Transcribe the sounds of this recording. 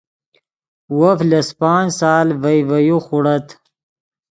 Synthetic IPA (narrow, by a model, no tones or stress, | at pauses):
wɐflɐspɑːnsaːlvɐjvɐjuxuɽɐt̪ʰ